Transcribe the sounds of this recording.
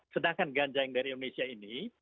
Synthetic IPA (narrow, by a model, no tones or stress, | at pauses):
sədaŋkanɡaɲd͡ʒaɪŋdaɾiindonesiaini